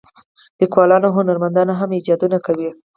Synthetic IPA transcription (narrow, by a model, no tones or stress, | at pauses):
likwɑlɑnoɦʊnaɾmand̪ɑnaɦamid͡ʒɑd̪unakawi